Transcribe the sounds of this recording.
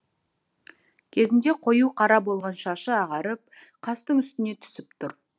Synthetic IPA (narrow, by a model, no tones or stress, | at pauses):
kʲʰe̞zɪnd̪e̞qʰo̞juqʰɑɾɑbo̞lˠʁɑnʃɑʃəɑʁɑɾəp̚ | qʰɑst̪əɴʏst̪ɪne̞t̪ʰʏ̥sɪpt̪ʰʊɾ